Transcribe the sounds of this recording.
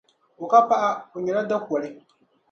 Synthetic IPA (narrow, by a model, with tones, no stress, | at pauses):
o˨ka˦pa˦ʔa˦o˨ɲɛ˨la˦da˦ku˨ɔ˨lɪ˦